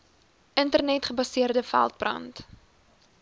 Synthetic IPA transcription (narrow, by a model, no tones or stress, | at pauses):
ʔəntərnɛtχəbɐsiərdəfæ̰lˠt̚brɐ̰nt